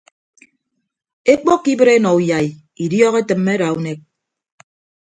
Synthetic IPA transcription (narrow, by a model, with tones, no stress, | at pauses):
e˦k͡po˦kːi˦bɨ˦ɾe˦nɔ˨u˨ja˨i˨ | i˨djɔ˦ɣe˦tɨ˨mːe˦ɾa˨u˦ne˦k̚